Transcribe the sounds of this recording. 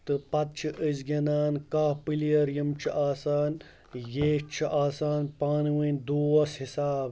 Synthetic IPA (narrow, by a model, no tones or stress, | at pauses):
t̪ɨpɐt̪̚t͡ʃʰiʔɨzɡʲɐnaːnkaːpilijɐɾjɐmt͡ʃʰiʔaːsaːn | jeːt͡ʃʰiʔaːsaːnpaːnwinʲd̪uːɐshisaːb